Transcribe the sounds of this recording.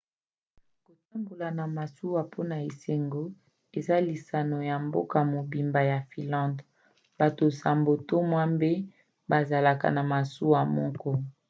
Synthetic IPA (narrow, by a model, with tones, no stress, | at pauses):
ko˨ta˦mɡo˨la˨na˨ma˨su˦wa˨pʰo˦na˨e˨se˨ŋɡo˦ | e˨za˦li˨sa˨no˨ja˨mbo̰˦ka˨mo˨bi˨mba˨ja˨fi˨lã˦nd | ba˨to˨sa˨mbo˨to˦mwa˦mbe˦ | ba˨za˨la˨ka̰˨na˨ma˨su˦wa˨mɔ˦kɔ˦